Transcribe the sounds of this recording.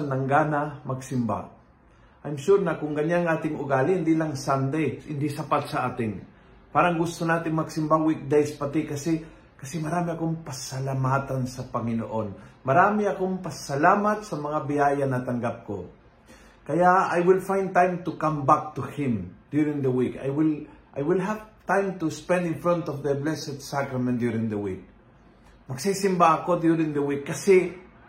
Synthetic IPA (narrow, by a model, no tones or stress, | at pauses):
nːɐŋɡaːnamɐɡsɪmba̰ | ʔajmʃuɾnɐkʊŋkɐɲːaŋaːt̪ɪŋʊɡaːlɪɪnd̪ilaŋsand̪ejɪnd̪isɐpat̪̚sɐʔaːt̪ɪŋ | paːɾaŋɡʊst̪onaːt̪ɪŋmɐɡsɪmbawik̚d̪ejspɐt̪ikɐsɛ | kɐsɛmɐɾaːmɪɐkoŋpɐsɐlamaːt̪ansɐpɐŋɪno̰ʔonmɐɾaːmiɐkoŋpɐsɐlaːmat̪̚sɐmɐŋabɪjaːjanːɐt̪ɐŋɡap̚ko̰ | kɐjaajwɪlfãjnd̪̚t̪ãjmt̪ukãmbak̚t̪uhɪ̃md̪juɾɪ̃ŋd̪əwika̰jwɪlʔa̰jwɪlɦav̥t̪ãjmt̪uspɛ̃nd̪ɪ̃nfɹɔ̃nt̪ɔvd̪əblɛsɛd̪sakɾɐmɛ̃nt̪d̪juɾɪ̃ŋd̪əwḭk̚ | mɐɡ̥sisɪmbaːkod̪juɾɪ̃ŋd̪ɐwikːɐsɛ